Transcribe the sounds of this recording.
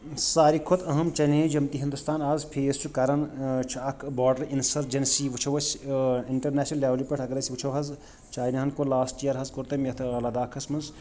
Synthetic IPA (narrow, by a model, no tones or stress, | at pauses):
saːɾikʰot̪ʰɐɦɐmt͡ʃɐlẽːd͡ʒɐmt̪iɦind̪ust̪ʰaːnaːzpʰeːst͡ʃʰukɐɾɐnt͡ʃʰuɐkʰbɔːɖɐɾinsɐɾd͡ʒɐnsiʋut͡ʃʰɐʋɐsiɳʈɐɾnɛːsnɐlːaːʋlipʲɐʈʰɐkɾɐsiʋut͡ʃʰɐwɦɐz | t͡ʃaːjinɐɦɐnkolaːsʈijɐɾɦɐzkoɾt̪ɐmet̪ʰɐlɐd̪aːkʰɐsmɐnz